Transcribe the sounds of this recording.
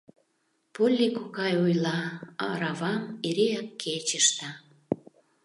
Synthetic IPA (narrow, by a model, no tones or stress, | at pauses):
pulʲːikukɑjujlɑɑ̰ɾɑvɑmeɾeɑkːet͡ɕəʃt̪ə